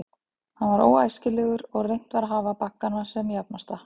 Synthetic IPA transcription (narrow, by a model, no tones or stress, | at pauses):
hanvaɾo̰ːwaːjscɪlɛɣʏɾɔɣrejŋ̥t̪vaɾaɦaːvapakːanasɛmjapnast̪a